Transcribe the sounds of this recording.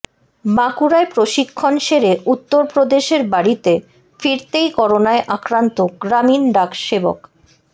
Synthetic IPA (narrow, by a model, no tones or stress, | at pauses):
makuɾaepɾoʃikʰːonʃeɾeʔut̪ːoɾpɾod̪eʃeɾbaɾit̪e | fiɾt̪ejkɔɾonaeʔakɾant̪oɡɾaminɖakʃebo̰k